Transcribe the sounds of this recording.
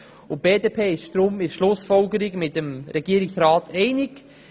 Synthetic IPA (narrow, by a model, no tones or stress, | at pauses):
ʊb̥eːdeːpʰeːɪʃtɾomɪʃlʊsfɔlɡəɾiɡmɪtəmɾɛɡ̥iəɾɪksɾaːtʰɛɪnɪk